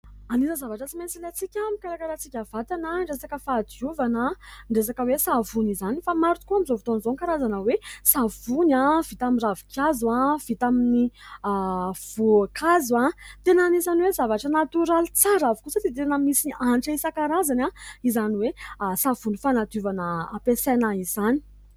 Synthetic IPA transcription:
anizəzavaʈ͡ʂət͡siment͡silet͡sikʲamikaɾakaɾat͡sikʲav̥at̪anəɳɖ͡ʐesakəfad̪uvanəɳɖ͡ʐes̬akəwesavunizanifamaɾut̪kuamizovit̪onizoŋkaɾazanəwesavunãv̥it̪amiravi̥kjazwav̥it̪amini | v̥ukʰazãt̪enanizaniwezavaʈ͡ʂənat̪uɾalit͡saɾavukusat̪it̪̬enəmisiaɳʈ͡ʂəisakaɾazanaizaniwesav̥unifanat̪uvanəːpesanaizani̥

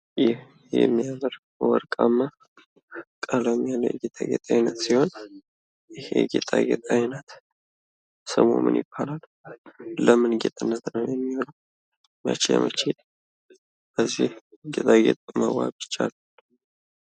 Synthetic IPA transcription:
jɪh | jɛ̰mːijaməɾ | wɔɾkʼamːa | kʼalomijaləjɛɡet̪ʼaɡet̪ʼajnət̪siho̞n | jɪheɡet̪ʼaɡet̪ʼajnət̪ | səmo̰mɨ̰njɪb̥ːalal | ləmɨnɡet̪ʼɨnːət̪nəwjɛmːihonəw | ma̰t͡ʃːjɛ̰mət͡ʃel | b̥əzːih | ɡet̪ʼaɡet̪ʼməwa̰bɪt͡ʃːal

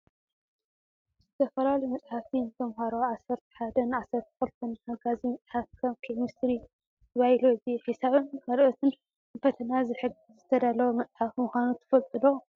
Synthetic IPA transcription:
zɨt̪ʰɐfɐlalɐjmɐt͡sʼħafinɨt̪ʰɐmɦaɾoʕasːɐɾt̪ʰɐ̥ħad̪ɐnʕasːɐɾt̪ʰɐ̥xɨlt̪ʰɐnhaɡazimɐt͡sʼħafkʰɐmkʰimɨsɾi | t̪ɐβailoɨziħisaβɨnkʰalʔot̪ʰɨn | fɐt̪ʰɐnazɨħɨɡɨzɨt̪ʰɐd̪alɐwomɐt͡sʼħafmʊxʷanut̪ʰɨ̥fɐlt̪ʼɨlo

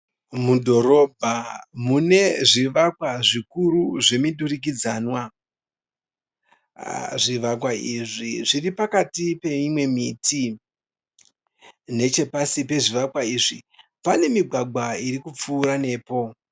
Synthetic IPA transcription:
mudʱo̞ɾo̞bʱamune̞ʐiʋakwaʐikuɾuʐemiɗurik̬id͡zanwa | ʐiʋak̬waiʐiʐiripakatipe̞imwe̞mitʰi | ne̞t͡ʃe̞pasipe̞ʐiʋakwaiʐḭpane̞miɡʱwaɡʱwaiɾikup͡fuːɾane̞ːpo̞

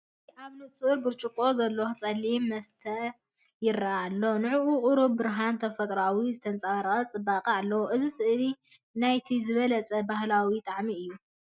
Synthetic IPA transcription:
ʔaβnɨsʼɨʔɨɾbɨɾt͡ʃʼukʼo̞zɐlːot͡sʼɐlːimːɐst̪ʰɐ | jɪɾɐaaːlːonɨʕuʔuqʼʊɾubbɨɾɦant̪ʰɐfɐt̪ʼɾawizɨt̪ʰɐnt͡sʼaɾɐɐt͡sʼɨbːaqʼɐalːɐwoʔɨzisɨʔli | najt̪ʰizɨβɐlɐt͡sʼɐbahlawit̪ʼaʕmiɨjːu

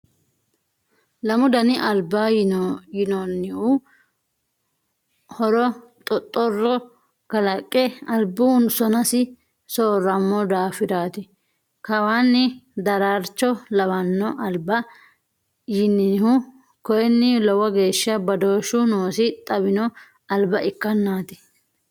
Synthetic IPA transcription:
lɐmʊd̪ɐnɪʔɐlbːajɪnɔnːɪʊ | hɔɾɔ | t̪ʼɔt̪ʼːɔrːɔ | kɐlɐkʼːɛɐlbʊʊnsɔnɐsɪ | soːrːɐmːɔd̪aːfɪd̪aːt̪ɪ | kɐwanːɪd̪ɐɾaːɾt͡ʃːɔlɐwɐnːɔʔɐlbɐ | jɪnːɪhʊ | kɔjɛnːɪlɔwɐɡe̞ːʃːɐbɐd̪o̞ːʃʊnoːsɪt̪ʼɐbɪnɔ | ɐlbɐʔɪkːɐnːaːt̪ɪ̥

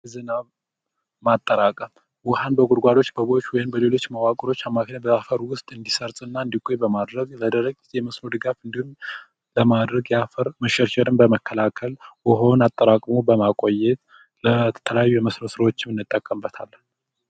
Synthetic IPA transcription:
zɨnaβ | mat̪ʼːəɾakʼəm | wɔhanbəɡʼʊɾɡʷad̪o̞t͡ʃːbəβo̞t͡ʃːwɔjɪmbəle̞lo̞t͡ʃːməwakʼɾo̞t͡ʃːamːakʰnəbəafəɾwʊst̪ʼɨnd̪isəɾt̪ʼɨnːaɨnd̪ikʼːojbəmad̪ɾəɡləd̪əɾəɡjɛməsnod̪ɨɡafɨnd̪ihum | ləmad̪ɾəɡjafəɾməʃɛɾʃɛɾɨnbəməkːəlakʰəlwəɦo̞nat̪ʼːəɾakʼmubəmakʼo̞jɛt̪ | lət̪ʰələjajːujɛməsno̞sɨɾəwot͡ʃːɪmɨnːɨt̪ʼːəkʼːəmbət̪ʰa̰lːn

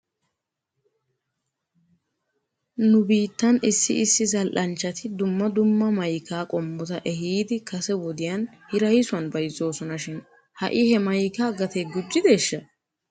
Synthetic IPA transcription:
nʊbiːt̪ːɐnɪsːɪʔɪsːɪzɐlʔɐnt͡ʃːɐt̪ʰɪd̪ʊmːɐd̪ʊmːɐmɐjkaːkʼɔmːɔt̪ɐʔɛhiːd̪ɪkɐsɛwɔd̪ɪjɐn | hɪɾɐjɪsʊɐnbɐjzːo̞ːsɔnɐʃɪn | hɐ̰ʔɪhɛmɐjkaːɡɐt̪eːɡʊd͡ʒːɪd̪e̞ːʃːɐ

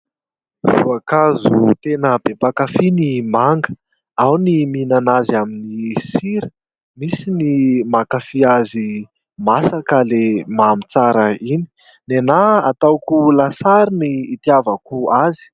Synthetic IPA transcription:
vuakazut̪enəb̥epakafinimaŋɡə | awniminanaziaminisiɾə | misinimakafiazi | masakəlemamit͡saɾəini̥ | nenaa̰t̪awkulasaɾiniːt̪iavakuazi̥

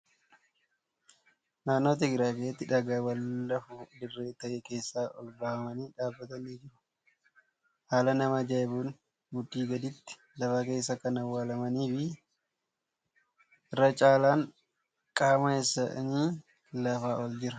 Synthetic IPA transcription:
naːnːo̞ːt̪̬ɛɡɾaːkeːt̪ːɪᶑɐɡaːwɐlːɐfud̪ɪrːe̞ːt̪ɐʔeke̞ːsːaːʔɔ̰lbɐhɐmɐniːᶑaːbːɐt̪ɐniːd͡ʒɪɾɐ̥ | haːlɐnɐmɐd͡ʒajbuːn | ɡʊd̪ːiːɡɐd̪ɪt̪ːɪ̥ | lɐfaːke̞ːsːɐkɐnɐwːaːlɐmɐniːfɪ | ʔɪrːɐt͡ʃʼaːlaːŋ | kʼaːmɐesːɐniː | lɐfaːɔld͡ʒɪɾɐ

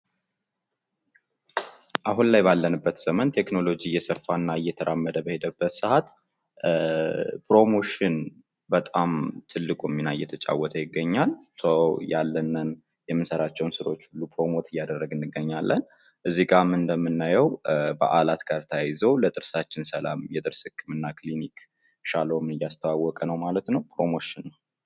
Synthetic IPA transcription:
ʔaɦunlajbalːənɨbːət̪səmənt̪ʰe̞kno̞lo̞d͡ʒijɛsəfːanːaɨjɛt̪ʰəɾʔamːəd̪əbəhe̞d̪əbːət̪sɨhat̪ | pʰɾo̞mo̞ʃɪn | bət̪ʼamt̪ʰɨlːɨkʼuɛmːinajɛt̪ʰət͡ʃʼa̰wːɔt̪ʰəjɪɡːəɲːalsʰəwjalːənːən | jɛmːɨnsəɾat͡ʃːɛwnsɨɾo̞t͡ʃːulːupʰɾo̞mo̞t̪ʰɨjːad̪ərːəɡɨnːɨɡːəɲːalːə̰n | ʔɨzːiɡamɨnd̪əmːɨnːajɛwbə̰ʔalat̪ɡ̥aɾt̪ʰajɪzəwlət̪ʼɨɾsat͡ʃːɪnsəla̰mjɛt̪ʼɨɾshɨkʰʼːɨmɨnːaklinik | ʃalomɨnɨjːast̪ʰəwawːɔkʼənəwmalət̪nəwpɾo̞mo̞ʃɪnː

